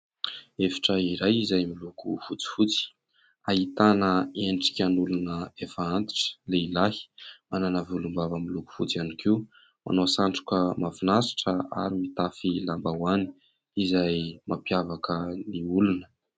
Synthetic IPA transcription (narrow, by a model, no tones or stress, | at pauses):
efi̥ʈ͡ʂaiɾajizajmilukṵfut͡si̥fut͡si̥ | aɦit̪anəenʈ͡ʂi̥kʲanulunəefaant̪i̥ʈ͡ʂə̥leilahi̥mananavulumbavəmiluku̥fut͡sianikiu | ma̰nosaɳʈ͡ʂu̥kəmafinasi̥ʈ͡ʂəa̰ɾimit̪afilambawani̥ | izajmapjavakəniulunə̥